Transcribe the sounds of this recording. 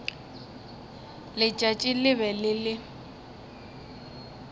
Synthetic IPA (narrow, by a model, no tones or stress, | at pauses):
lɪt͡ʃʼat͡ʃʼɪlɪβɛlɪlɪ